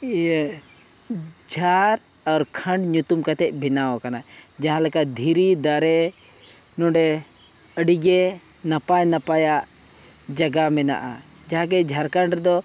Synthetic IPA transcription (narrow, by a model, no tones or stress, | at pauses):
d͡ʒʱaɾ | aɾkʰə̃ɳɖɲut̪umkat̪ɛc̚ˀbʱinaɔkana | d͡ʒaɦãlɛkad̪ʱiɾid̪aɾɛ | nɔ̃ɖɛ | əɖiɡɛ | napajnapajaʔ | d͡ʒaɡamɛna̰ʔa̰ | d͡ʒaɦãk̬ɛd͡ʒʱaɾkəɳɖɾɛd̪ɔ